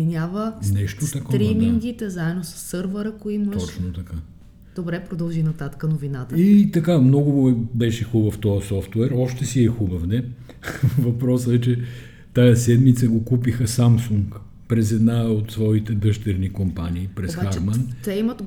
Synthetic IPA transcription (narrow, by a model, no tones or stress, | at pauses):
inʲavənɛʃt̪ot̪ɐkɔɾimiŋɡit̪ɛzaɛd̪osɐ̥sːɤɾvəɾəkoiməɔʃt͡ʃnot̪ɐka | d̪̥obɾɛpɾod̪ɐlˠʒinɐt̪at̪ə̥kənovinat̪əit̪ɐkamnɔɡʊɛbɛʃɛxubəft̪ɔəsɔft̪wɛɾɔʃt̪ɛsiɛxubəfnɛ | vɐpɾɔsɛt͡ʃɛ | t̪ajɐsɛd̪mit̪səɡokupixəsamsuŋk | pɾɛzɛd̪naot̪svɔit̪ɛd̪ɤʃt̪ɛɾnikompaniːpɾɛsxaɾmant̪ɛimət̪